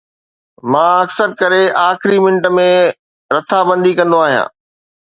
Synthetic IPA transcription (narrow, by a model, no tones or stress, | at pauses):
mãːɐksəɾkɐɾeaːxɪɾimɪ̃ɳʈəmẽ | ɾɐt̪ʰabə̃nd̪ʱikɐ̃nd̪oaːɦijã̰ː